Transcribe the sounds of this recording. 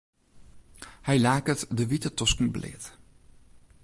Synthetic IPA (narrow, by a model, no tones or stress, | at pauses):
hɛjlaːkətdəʋitətɔskn̩blɪ̰ːt